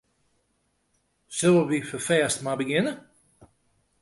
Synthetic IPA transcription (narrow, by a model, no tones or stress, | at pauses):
sølˠəʋifəfɛːstmabəɡɪnə